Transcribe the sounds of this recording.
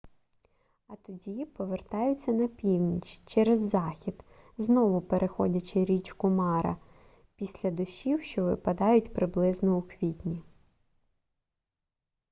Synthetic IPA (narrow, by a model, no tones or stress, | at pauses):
ɐt̪ɔdʲipɔʋert̪ɑjʊt͡sʲːɐnɐpʲiwnʲit͡ʃt͡ʃɛɾezːɑxʲid̪̥ | znɔʋʊpeɾʔexɔ̰dʲɐt͡ʃɪɾʲit͡ʃkʊmɑɾɐ̰ | pʲisʲlʲɐd̪ʊʃʲiwʃt͡ʃɔʋɪpɐd̪ɑjʊtʲpɾɪblˠɪznɔukʋʲitʲnʲi